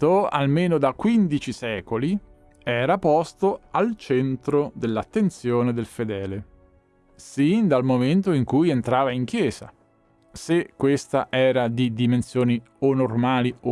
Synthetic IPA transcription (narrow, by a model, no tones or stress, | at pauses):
oa̰lmeːnod̪akːwind̪it͡ʃisɛːkoli | ɛːɾapɔst̪oalt͡ʃɛnt̪ɾod̪elːat̪ːent̪sjoːned̪elfed̪ɛːle | sind̪almoment̪oiŋkujent̪ɾaːvaiŋk̟jɛːza̰ | sekːwest̪aʔɛːɾad̪id̪imensjoːni | onormaːlio